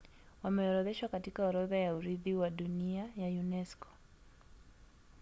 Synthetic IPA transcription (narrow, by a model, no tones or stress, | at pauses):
wamɛɔɾɔðɛʃwakatikaɔɾɔðajauɾiðiwaɗuniajajunɛskɔ̥